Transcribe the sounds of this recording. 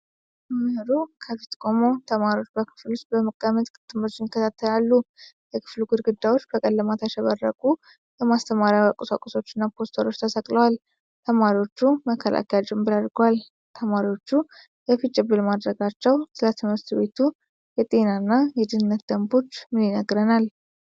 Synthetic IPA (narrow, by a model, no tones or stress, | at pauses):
mɨhɨɾukʰəfit̪kʼomo̞t̪ʰəmaɾiwo̞t͡ʃːbəkʰɨ̥flust̪̚bəməkʼːəmət̪ʼkʼɨt̪ʼːɨmot͡ʃːɪnjɪkːət̪ʰat̪ʰːəlalːujəkʰɨ̥fluɡɨd̪ɡɨd̪ːawo̞t͡ʃːbəkʼəlːəmat̪ʰaʃɛβərːə̰kʼu | jəmast̪ʰəmaɾijawakʼʊsa̰kʼuso̞t͡ʃːɪnːapʰo̞st̪ʰoɾo̞t͡ʃːt̪ʰəsəkʼləwal | t̪ʰəmaɾiwo̞t͡ʃːuməkʰːəlʔa̰kʰɛjat͡ʃʼɨmbɨɾad̪ɾɡəwal | t̪ʰəmaɾiwo̞t͡ʃːu | jɛfit͡ʃʼːɨbɨlmad̪ɾəɡat͡ʃːɛwt̪ʰɨlət̪ːɨmɨɾt̪βe̞t̪ʰu | jɛt̪ʼe̞nanːajɛd̪ɨnɨnːət̪̚d̪̥əmbo̞t͡ʃːmɨnjɪnəɡɾənal